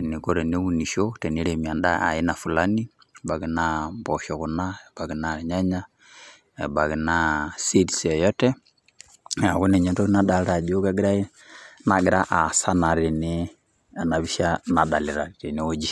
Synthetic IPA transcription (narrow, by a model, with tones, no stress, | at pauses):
ni˨ko˦ɾe˨ne˦wu˦˨ni˨ʃo˦tɛ˨ni˦ɾe˨mi˨a˨nda̰˦a̰˨ji˦na˨fu˨la˦ni˦˨ | ba˨ɡi˨na˦mbɔ˨ʃɔ˨ɣu˨na˦ɛ˨b̥a˨ɡi˨na˦˨ɾɲa˦ɲa˦ | ɛ̰˨ba˨ɡi˨na˦si˦dsɛ˨jɔ˦tɛ˦ | a˨ɡu˦ne˨ɲɛ˨to˦kna˦da˨lɾa˨d͡ʒo˦ka˦ɡɪ˦ɾa˦i˦ | na˨ɡɪ˦ɾa˦ʔa˨sa˦na˨ɾi˨ni˦ | a˨na˨βi˦ʃa˦na˨da˨lɪ˨ɾa˨te˨ne˨o˦d͡ʒi˦